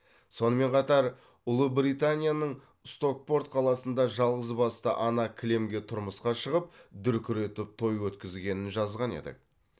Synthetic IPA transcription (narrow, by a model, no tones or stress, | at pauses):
so̞nəme̞ɴqʰɑt̪ɑɾ | ʊlˠəbɾijt̪anʲijanəɴ | st̪o̞k̚po̞ɾt̪̚qʰɑlˠɑsənd̪ɑʒɑlˠʁəzbɑst̪ə̰ʔɑnɑkʲʰɪle̞mɡʲe̞t̪ʰʊɾməsqɑʃəʁəp̚d̪ʏɾkʲʰʏɾe̞t̪ɪp̚t̪ʰo̞jwɵt̪kʲɪzɡʲe̞nɪnʒɑzʁɑne̞̰d̪ɪ̰k̚